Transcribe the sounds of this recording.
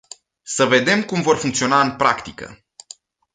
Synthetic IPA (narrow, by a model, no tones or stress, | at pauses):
səve̞d̪e̞mkumvo̞rfuŋkt̪sio̞naɨnpɾakt̪ikə̰